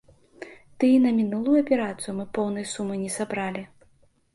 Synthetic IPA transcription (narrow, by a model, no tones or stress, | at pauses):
t̪ɨnɐmʲinulˠujuɐpʲɛɾat̪sɨjumɨpɔwnɐjsumɨnʲɛsabɾalʲi